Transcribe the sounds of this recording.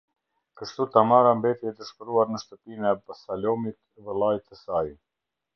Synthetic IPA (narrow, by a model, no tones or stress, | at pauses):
kəʃt̪ut̪amaɾambɛt̪iɛt̪əʃpɾuaɾnəʃt̪əpinɛbasalɔmit̪ | vɛlˠajt̪ɛsaj